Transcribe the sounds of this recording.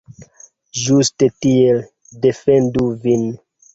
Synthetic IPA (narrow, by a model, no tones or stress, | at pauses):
d͡ʒustetiel | defenduvin